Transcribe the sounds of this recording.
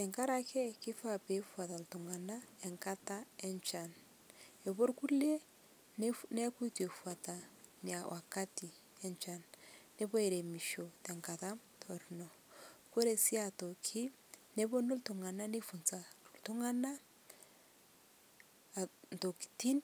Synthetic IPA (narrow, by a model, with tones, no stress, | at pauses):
ɛ˨ŋka˦ɾa˨kʰɛ˦kɪ˦fa˦pe˨˦fwa˨ta˨ltu˨ŋa˨na˦ɛ˨ŋka˦ta˦ɛ˦nt͡ʃa˨n | e˨βo˦ɾku˦le˦ | nne˦ku˦te˨fua˨ta˨ni˨a˨wʔa˨ka˦ti˨ | ɛ˨nt͡ʃa˨nː | e˦βɔ˦e˨ɾe˨mi˨ʃo˨tɛ˨ŋka˨ta˦m | tʰɔ˨ɾnɔ˨ | ko˦ɾe˨si˦a˨to˨kʰɪ˦ | ne˦bo˦no˦ltu˨ŋa˨na˦ne˦fu˨nt͡sa˨ltʊ˦ŋa˦na˦˨ | nto˨ki̥˨ti˦n